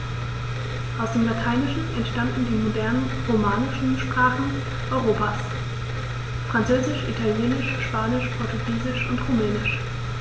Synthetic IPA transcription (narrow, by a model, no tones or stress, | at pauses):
ʔaʊsd̥eːmlatʰaɪnɪʃn̩ɛntʃtandn̩diːmodɛɐnənʁomaːnɪʃn̩ʃpʁ̥aːχn̩ | ʔɔʏʁoːpaːs | fʁ̥ant͡søːzɪʃʔḭtʰaljeːnɪʃʃpaːnɪʃpʰɔɐtuɡiːzɪʃʔʊntʁumɛːnɪʃ